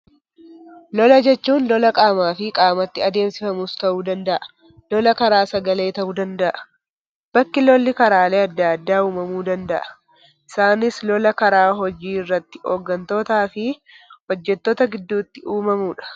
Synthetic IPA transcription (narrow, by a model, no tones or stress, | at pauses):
lɔlɐd͡ʒɛt͡ʃːuːnlɔlɐkʼaːmaːfɪkʼaːmɐt̪ːɪɐd̪e̞ːmsɪfɐmust̪ɐʔuːd̪ɐnd̪ɐʔɐ̥ | lɔlɐkɐɾaːsɐɡɐle̞ːt̪ɐʔuːd̪ɐnd̪ɐʔɐ̥ | b̥ɐkːɪlɔlːɪkɐɾaːle̞ːɐd̪ːaːd̪ːaːuːmɐmuːd̪ɐnd̪ɐ̰ʔɐ̥ | ʔɪsaːnɪslɔlɐkɐɾaːɦɔd͡ʒiːɪrːɐt̪ːɪ̥oːɡːɐnt̪o̞ːt̪aːfɪhɔd͡ʒːɛt̪ːoːt̪ɐɡɪd̪ːuːt̪ːɪʔuːmɐmuːᶑɐ̥